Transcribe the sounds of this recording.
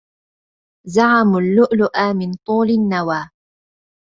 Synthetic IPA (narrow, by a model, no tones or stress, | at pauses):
zaʕamʊlːʊʔlʊʔaːmɪnt̪ˤuːlɪnːawaː